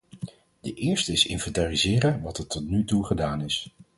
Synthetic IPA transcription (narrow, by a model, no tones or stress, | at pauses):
dəʔɪːɹstəɪsɪ̰nfɛntaːrizɪːɾənʋɑtətːɔtnytuχədaːnɪs